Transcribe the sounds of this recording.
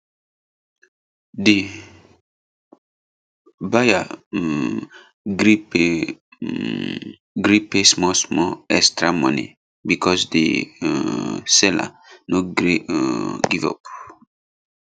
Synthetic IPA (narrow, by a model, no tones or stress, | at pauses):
di | baja | ɡɾip | ɡɾipesmɔsmɔɛstɹamɔ̰̃nḛ | bikʰɔsdḛ | sɛla̰ | noɡɾe | ɡivɔ̰p